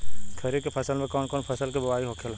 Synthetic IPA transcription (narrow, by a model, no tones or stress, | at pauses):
kʰɐɾekepʰɐsəlmẽkɔːnkɔːnpʰɐsəlkebɐwaːiɦokʰel